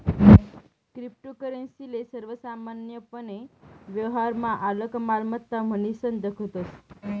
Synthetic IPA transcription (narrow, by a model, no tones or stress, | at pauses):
kɾip̚ʈokəɾənsilesəɾʋəsamanjəpəneʋjəʋɦaɾmãʔaləkmalmət̪ːam̤ənisənd̪əkʰət̪os